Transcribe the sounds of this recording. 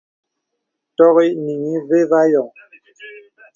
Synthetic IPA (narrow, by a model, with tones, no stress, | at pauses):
tɔ˦ɣi˦ʔni˨ŋi˦ve˦va˦jɔ˨ŋ